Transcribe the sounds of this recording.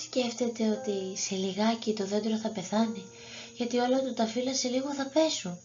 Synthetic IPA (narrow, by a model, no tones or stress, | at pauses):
sce̞ft̪e̞t̪e̞o̞t̪ise̞liɣɐcit̪o̞ðe̞d̪eɾoθɐpe̞θɐni | ʝɐt̪io̞lɐt̪ut̪ɐfilɐse̞liɣo̞θɐpe̞sun